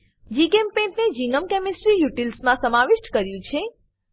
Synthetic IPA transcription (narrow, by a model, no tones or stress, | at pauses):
d͡ʒikempẽɳʈned͡ʒinəmkemisʈɾijuʈilsmãsəmaʋɪʃʈkəɾjũt͡ʃʰe